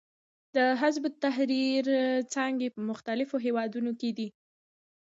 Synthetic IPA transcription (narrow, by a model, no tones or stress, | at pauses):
d̪əɦazbʊt̪ːaɦɾiɾt͡sɑŋɡepəmʊxt̪alɪfoɦewɑd̪unoked̪i